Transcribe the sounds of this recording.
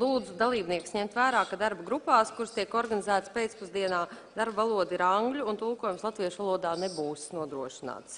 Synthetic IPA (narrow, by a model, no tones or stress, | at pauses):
lˠuːd̪zud̪alˠiːbniɛksɲɛmt̪væːɾaːkad̪aɾbɡɾupaːskuɾst̪iɛkɔɾɡanizæːt̪spet̪spuzd̪iɛnaː | d̪aɾbvalˠuɔd̪iɾaŋɡlʲuːnt̪ulˠkuːjumslˠat̪viɛʃʋvalˠuɔd̪aːnebuːsnuɔd̪ɾuɔʃina̰ːt̪s